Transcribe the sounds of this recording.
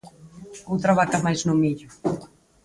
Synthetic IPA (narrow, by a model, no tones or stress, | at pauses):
owt̪ɾaβakamajznʊmiʎʊ